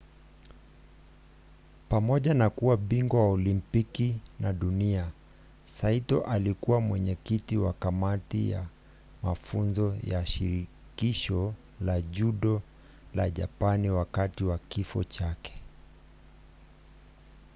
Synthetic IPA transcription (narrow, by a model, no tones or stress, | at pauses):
pamɔʄanakuwaɓiŋɡɔwaɔlimpikinaɗunia | saitɔʔalikuwamwɛɲɛkitiwa̰kamatija̰ | mafunzɔjaʃḭɾi | kiʃɔ | laʄuɗɔ | laʄa̰paniwakatiwakifɔ̰t͡ʃakɛ̥